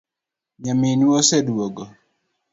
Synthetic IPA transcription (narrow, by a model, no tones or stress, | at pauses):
ɲaminwosɛdwoɡɔ